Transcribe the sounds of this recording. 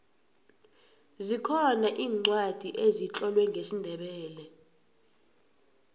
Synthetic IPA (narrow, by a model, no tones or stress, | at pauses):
zikʰɔnaʔiːŋ͡ǀwad̥ʱiʔezit͡ɬʼɔlwɛŋɡʱesindʱɛɓɛːlɛ